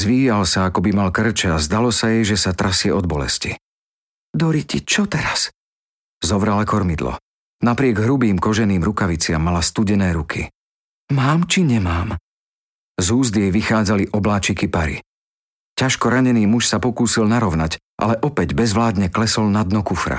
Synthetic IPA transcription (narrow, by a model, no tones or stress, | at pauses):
zʋiːjalsaakɔbimalkr̩t͡ʃɛazd̪alɔsajɛjʒɛsat̪ɾʔasɪɛɔd̪̚bɔlɛ̰sci | d̪ɔɾicit͡ʃɔt̪ɛɾas | zɔʋɾalakɔɾmid̪lɔ̰ | napɾɪɛɡɦɾubiːmkɔʒɛniːmɾukaʋit͡sɪamːalast̪uɟɛnɛːɾukʰḭ | maːmt͡ʃiɲɛmaːm | zuːzd̪jɛjʋixaːd͡zaliʔɔblaːt͡ʃikipaɾḭ | caʃkɔɾaɲɛniːmuʃsapɔkuːsilnaɾɔʊnac | ʔa̰lɛʔɔpɛɟbɛzʋlaːd̪ɲɛklɛsɔlnad̪nɔkufɾa̰